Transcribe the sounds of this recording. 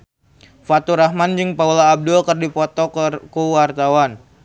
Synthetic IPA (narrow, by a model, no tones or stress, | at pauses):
fat̪uɾahmand͡ʒɨŋpaulaːb̚dulkərdipɔt̪ɔkuwart̪awan